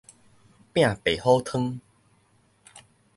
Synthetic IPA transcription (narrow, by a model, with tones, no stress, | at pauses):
pj̃ã˥˨pe˨˩ho˦t̪ʰɨ˦ŋ